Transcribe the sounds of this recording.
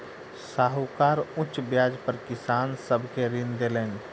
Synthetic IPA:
saːɦukaːɾʊt͡ʃbjaːd͡ʒpəɾkɪsaːnsəbʱkeɾɪnd̪eleːn

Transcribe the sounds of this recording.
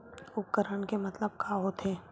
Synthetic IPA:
ʊp̚kəɾəɳkemɐt̪ləb̚kʰaɦot̪ʰeː

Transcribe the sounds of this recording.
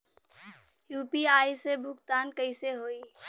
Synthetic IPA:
juːpiaːjsebʱʊɡt̪aːnkəɪseɦoːiː

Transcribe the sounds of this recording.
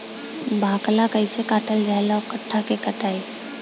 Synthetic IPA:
bʱaːklakəɪsekaːʈəld͡ʒaɦlɔkəʈʰːakekəʈaːi

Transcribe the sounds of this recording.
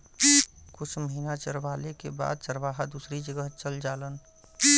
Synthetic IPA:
kʊt͡ʃʰməɦiːnat͡ʃəɾʋaːlekeba̰ːd̪̚t͡ʃəɾʋaːɦad̪usɾid͡ʒəɡəɦt͡ʃəld͡ʒaːlən

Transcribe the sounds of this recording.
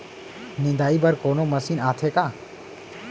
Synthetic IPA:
nɪ̃nd̪aːiːbəɾkoːnoːməsiːnaːt̪ʰeːkaː

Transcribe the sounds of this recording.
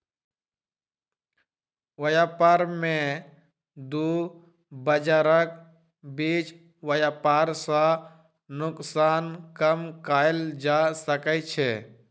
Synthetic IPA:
wəjapaɾmẽ | d̪uː | bəd͡ʒaɾək | biːt͡ʃ | wəjaːpaːɾsã | nʊksaːnkəmkaːɪld͡ʒasəkət͡ʃʰe

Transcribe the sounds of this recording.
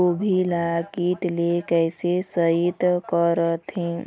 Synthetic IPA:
obʱilakiʈlekɛɦsesəit̪kəɾət̪ɦĩ

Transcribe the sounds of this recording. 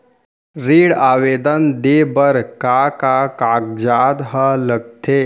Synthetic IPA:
ɾiːɽaːʋeːd̪ənd̪ebəɾkakakak̚d͡ʒaːd̪ɦələɡ̚t̪ʰe

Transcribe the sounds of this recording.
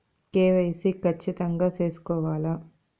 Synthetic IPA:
keːʋɐjsikɐt͡ʃːit̪ɐŋɡaːt͡ʃe̞ːsu̥kɔːʋaːla

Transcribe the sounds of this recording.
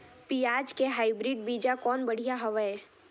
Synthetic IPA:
piaːd͡ʒkeɦaːibɾiːɖ̚biːd͡ʒakɔːnbəɽ̤ijaɦəʋəe

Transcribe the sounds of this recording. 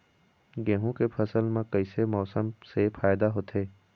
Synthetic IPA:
ɡɛːɦũkepʰɐsəlmẽkɐisemɔːsəmsefʰaːjd̪aɦoːt̪ʰeː

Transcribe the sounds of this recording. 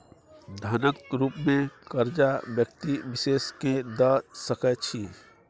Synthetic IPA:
d̪ʱaːnəkɾuːpmẽkəɾd͡ʒaʋjək̚t̪iʋɪʃeːsked̪əsəkət͡ʃʰi

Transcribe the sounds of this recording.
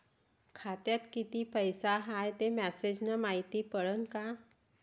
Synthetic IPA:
kʰat̪jat̪kit̪ipəjsaɦajt̪emɛsed͡ʑnəmaɦit̪ipəɽənka

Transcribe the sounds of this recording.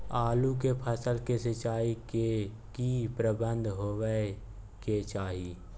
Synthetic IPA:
aːluk̬epʰəsəlkesɪt͡ʃaːike | kipɾəbə̃nd̪ʱɦoːwə | ket͡ʃaːɦiː

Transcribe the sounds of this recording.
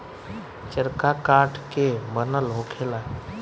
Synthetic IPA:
t͡ʃəɾkakaʈkebənəlɦokʰela

